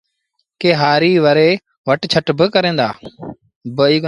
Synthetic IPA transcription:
keːɦaːɾiːʋəɾeː | ʋəʈt͡ʃʰəʈbəkəɾẽːnd̪a̰ː | bəiːɡ

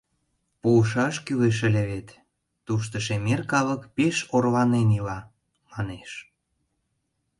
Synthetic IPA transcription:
puːʃɑʃkyleʃ̬ə̆lʲeβet̪ː | uʃ̬t̪ə̆ʃemerkɑlə̆kpeʃorlɑnenilɑ | mɑneʃ

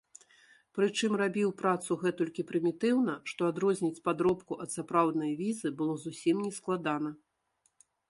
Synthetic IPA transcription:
pɾɨt͡ʂɨmrabʲiwpɾat̪suɣɛt̪ulʲkʲipɾɨmʲit̪ɨwnɐʂt̪ɔad̪ɾɔzʲnʲit͡sʲpad̪ɾɔpkuʔɐt̪sapɾawd̪nɐjvʲizɨbɨlˠɔzusʲimnʲɛsklˠad̪anɐ

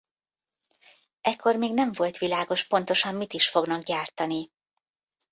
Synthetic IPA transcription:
ɛkʰːo̞rmeːɡnɛɱvo̞lt̪ʋilaːɡo̞ʃpo̞n̪t̪o̞ʃɒmːit̪iʃfo̞ɡnɒɡɟaːrt̪ɒni

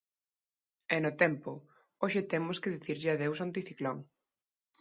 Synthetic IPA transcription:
ɛnʊt̪ɛmpʊ | oʃɪt̪emʊskɪðiθiɾʎɪaðews̬ont̪iθiklɔŋ

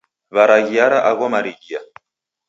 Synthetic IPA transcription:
βaɾaɣiaɾaʔaɣɔmaɾiɣia

